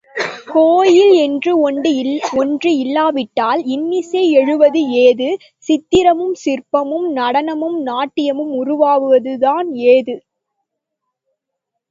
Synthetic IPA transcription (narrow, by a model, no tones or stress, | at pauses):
koːjɪlɛndrɯ | ɔndrɯɪlːaːʋɪʈːaːlɪnːɪsɐɪɛɻɯʋɐðɯeːðɯ | sɪt̪ːɪɾɐmɯmsɪrpɐmɯmnɐɽɐnɐmɯmnaːʈːɪjɐmɯmʊɾʊʋaːʋɯʋɐðɯðaːneːðɯ